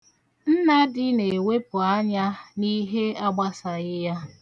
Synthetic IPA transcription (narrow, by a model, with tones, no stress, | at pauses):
n̩˦na˦dɪ˦ne˨we˦pʊ˨a˦ɲa˦ni˦ɦe˦a˦ɡ͡ba˦sa˨ɣɪ˦ja˦